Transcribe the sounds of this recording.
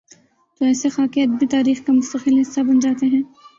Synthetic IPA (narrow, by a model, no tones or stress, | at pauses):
t̪oɛːsexaːkiɐd̪bit̪aːɾiːxkamʊst̪əqɪlɦɪsːabɐnd͡ʒaːt̪eɦɛ̃ː